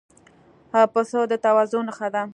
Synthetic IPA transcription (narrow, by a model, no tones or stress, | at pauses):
hapəsod̪ət̪awazʊnaxad̪a